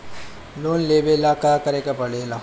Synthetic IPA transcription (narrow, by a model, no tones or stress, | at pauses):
loːnleːbelakakɐɾekapɐɽela